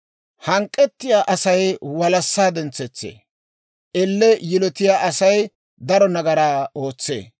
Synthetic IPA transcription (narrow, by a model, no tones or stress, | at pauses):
hɐŋkʼːɛt̪ːɪjaːʔɐsɐjwɐlɐsːaːd̪ɛnt͡sːɛt͡sːḛː | ʔɛlːɛjɪlɔt̪ɪjaːʔɐsɐj | d̪ɐɾɔnɐɡɐɾaːo̞ːt͡sːḛː